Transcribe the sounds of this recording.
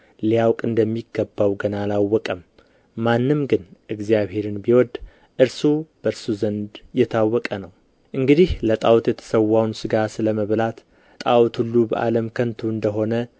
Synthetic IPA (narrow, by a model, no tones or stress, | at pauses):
lijawkʼɨnd̪əmːiɡːəbːawɡənalawːɔkʼəmː | anːɨmɡɨnʔɨɡzjaβhe̞ɾɨnbiwɔd̪ | ʔɨɾsub̥əɨɾsuzənd̪jɛt̪ʰawːɔkʼənəw | ʔɨŋɡɨd̪ihlət̪ʼawt̪jɛt̪ʰə̥səwːawnsɨɡasɨləməβlat̪ | t̪ʼawt̪ʰhulːubə̰ʔa̰ləmkʰənt̪ʰuɨnd̪əɦo̞nə